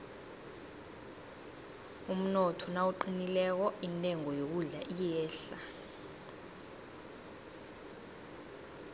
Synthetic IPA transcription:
um̩nɔtʰɔnauǃinilɛk̬ɔʔintʼɛŋɔjok̬uɮaʔijɛːɬa

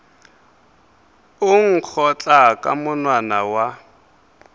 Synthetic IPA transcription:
ʊŋ̩k͡xʰɔt͡ɬʼakʼa̰mʊnwanawa

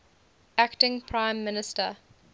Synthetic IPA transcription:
æktɪ̃ŋpʰɹãɪ̃mːɪnɪstə

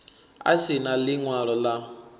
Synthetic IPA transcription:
a̰sinaliŋwaɺɔla

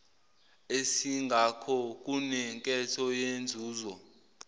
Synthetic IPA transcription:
esiŋɡʱakʰɔk̬unɛŋkʼɛtʰɔjend͡zʱuːzɔ

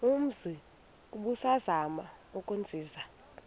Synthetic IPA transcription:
um̩zi | uɓusazamaukʼund͡zʱiːza

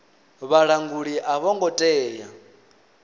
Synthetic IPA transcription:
βaɺaŋɡuɺiʔaβɔŋɡɔtʼɛːja

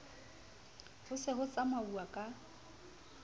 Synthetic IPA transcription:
hʊsɪχʊt͡sʼamauakʼa

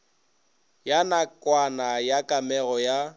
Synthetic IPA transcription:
janakʼwanajakʼamɛɣɔja

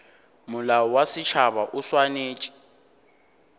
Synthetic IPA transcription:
mʊlaɔwasit͡ʃʰaβaʔuswaneːt͡ʃʼi̥

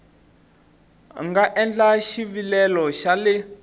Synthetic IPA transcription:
ŋɡaʔɛnd͡ɮaʃivilɛlɔʃalɪ

